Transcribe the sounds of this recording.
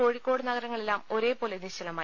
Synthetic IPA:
o̞ːɻikʲːo̞ːɽɨnɐɡɐɾɐŋːɐɭe̞lːaːmo̞ɾe̞ːpo̞ːleniɕɐlɐmaː

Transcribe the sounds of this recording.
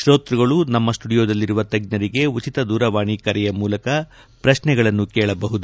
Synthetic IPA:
ʃɾo̞ːt̪ɾuɡɐɭunɐmːɐsʈuɽijoːd̪ɐlːiɾuʋɐt̪ɐɡ̚nɐɾiɡe̞ut͡ʃit̪ɐd̪uːɾɐʋaːɳikɐɾɛjɐmuːlɐkɐ | pɾɐʃnɛɡɐɭɐnːukɛːɭɐbɐɦud̪u

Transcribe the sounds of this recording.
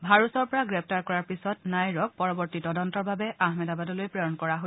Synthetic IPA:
bʱaɹusɔɹpɔɹaɡɹɛp̚ʰtaɹkɔɹaɹpisɔtnajɹɔk̚pɔɹɔbɔɹtitɔdɔntɔɹbabɛʔaɦmɛdabadɔlojpɹɔjɔnkɔɹaɦo

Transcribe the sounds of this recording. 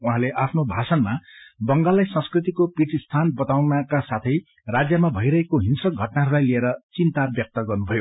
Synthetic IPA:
uɦãleʔapʰnobʱasʌnmabʌŋɡalːajsʌ̃skrit̪̬ikopiʈʰist̪ʰanbʌt̪awnʌkasat̪ʰʌj | rad͡zjʌmabʱʌjɾʌɦekoɦinsʌk̚ɡʱʌʈnaɦʌɾulajlieɾʌt͡sint̪abjʌk̚t̪ʌɡʌrnubʱʌjo

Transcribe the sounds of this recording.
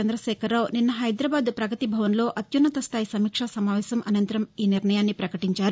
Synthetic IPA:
ɐnd̪ɾɐʃɛːkʰɐɾawninːɐɦɐjd̪ɾaːbaːd̪pɾɐɡɐt̪ibʱɐʋɐnlo̞ːʔɐt̪junːɐt̪ɐst̪ʰaːjisɐmiːkʂɐsɐmaːʋɛːsɐmʔɐnɐnt̪ɐɾɐmiːniɾɳɐjaːnːipɾɐkɐʈiɲt͡ʃaːɾu

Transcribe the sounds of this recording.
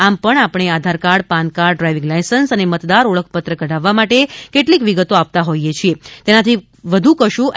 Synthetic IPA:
ampəɳapɳ̃ead̪ʱaɾkaɾɽpankaɾɖɾajʋiŋɡlajsənsənemət̪d̪aɾoɭəkʰpət̪ɾəkəɖaʋːamaʈekeʈlikʋiɡət̪oap̚t̪aɦojet͡ʃʰiet̪enat̪ʰi | ʋəd̪ʱũkəʃũ

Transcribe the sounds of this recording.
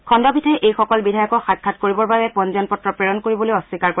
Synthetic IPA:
kʰɔndɔbʱitʰɛʔejxɔkɔlbidʱajɔkɔxat̚kʰːatkoɹibɔɹbabɛpɔnzɔnpɔtɹɔpɹɛɹɔnkoɹibolojɔsikaɹko

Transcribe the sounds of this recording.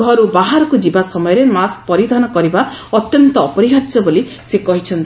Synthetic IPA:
ɡʱɔɾubaɦaɾɔkud͡ʒibasɔmɔjɔɾemask̚pɔɾid̪ʱɔnɔkɔɾibaɔt̪jɔnt̪ɔːpɔɾiɦaɾt͡ʃɔboli | sekɔɦit͡ʃʰɔnt̪i

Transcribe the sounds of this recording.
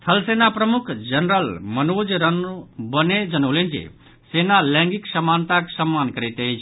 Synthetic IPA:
t̪ʰəlsenapɾəmukʰd͡ʒənɾəlmənod͡ʒɾənbəned͡ʒənəwlend͡ʒḛ | senalɛ̃ŋɡiksəmant̪aksəmːankəɾet̪ejt͡ʃʰ

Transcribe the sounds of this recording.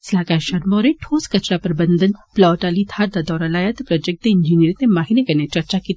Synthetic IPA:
slaːkaːʃɐɾmoːɾẽʈʰoːskɐt͡ʃɾapɐɾbɐ̃nd̪ənplɔːʈaːlit̪ʰaːɾd̪ad̪ɔːɾalaːjat̪pɾɔd͡ʒek̚t̪eɪ̃ɲd͡ʒiniəɾzẽmaːɦinekɐnet͡ʃɐɾt͡ʃaki

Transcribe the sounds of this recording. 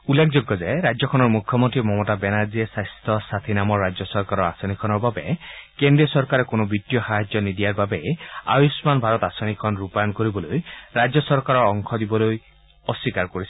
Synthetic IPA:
ulːekʰzoɡːɔzajɾajzjɔkʰɔnɔɹmukʰjɔmɔntɹimɔmɔtabɛnaɹziesajst̪ʰɔsat̪ʰinamɔɹːad͡ʑjɔsɔɹkaɾɔɹasɔnikʰɔnɔɹbabɛ̰kendɹiɔsɔɹkaɾɛkonobitːijɔxaɦad͡ʒzjɔnid̪ijaɹbabɛja̰jusmanbʱaɾɔt̪asɔnikʰɔnɹupajɔnkoɹibɔlojɾad͡ʑzjɔsɔɹkaɾɔɹɔŋkʰɔd̪ibɔloj | ɔsːikaɹkoɹis

